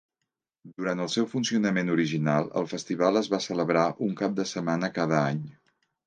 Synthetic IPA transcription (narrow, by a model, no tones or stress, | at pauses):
d̪uɾant̪əlˠsɛwfunsiunəmenuɾiʒinalˠə̰lˠfəst̪iβ̞alˠəzβasələβɾaʔuŋkap̚d̪əsəmanəkaðəaɲ